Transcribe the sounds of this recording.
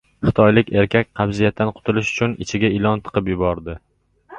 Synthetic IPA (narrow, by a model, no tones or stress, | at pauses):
χɨt̪ʰɒjlɪkʲʰe̞ɾkʲʰak̚ʲqʰɑbzijat̪̚ːanqʰʊ̥t̪ʰɪlɪʃʊ̥t͡ʃʰʊnɪt͡ʃʰɪɡʲaɪlˠɒnt̪ʰɨ̥qɨpjʊbɒɾd̪ɪ